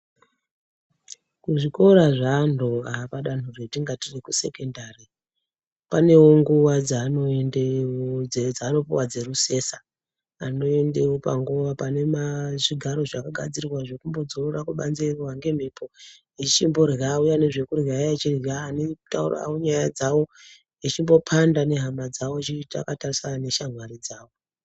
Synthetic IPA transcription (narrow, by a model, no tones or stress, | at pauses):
kuʐiko̞ɾaʐandoapaɗan̤uretiŋɡatirikuse̞ke̞ndari | pane̞wo̞ŋɡuwad͡zaːno̞endeed͡zaːno̞puwad͡ze̞ruse̞sa | ano̞e̞nde̞wopa̰ŋɡuwapane̞maʐiɡʱaɾo̞ʐakaɡʱad͡zirirwaʐe̞kumbo̞d͡zororakuɓa̰nzerwaŋɡe̞m̤ipʰo̞ | it͡ʃimbo̞rɣaujane̞ʐe̞kurɣaait͡ʃirɣaːnetaura̰woɲajad͡zawo̞ | it͡ʃimbo̞pʰandane̞ɦamad͡zawot͡ʃita̰katarisaane̞ʃamwaɾid͡zaːwo